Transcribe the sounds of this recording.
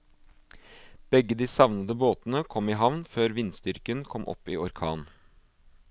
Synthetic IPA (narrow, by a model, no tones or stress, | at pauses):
b̥ɛɡːəd̪iːsɑʋnəd̪əboːt̪nəkʰɔmɪɦɑʋnføːɾʋɪnst̪ʏɾkənkʰɔmʔɔ̰piːɔɾkʰɑ̰ːn